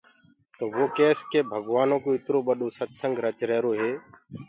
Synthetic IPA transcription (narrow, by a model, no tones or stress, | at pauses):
t̪oːʋoːkeːskeːbʱəɡʋaːnõːkõːɪt̪ɾoːɓəɗoːsət͡ʃsəŋɡɾət͡ʃɾɛːɾoːɦeː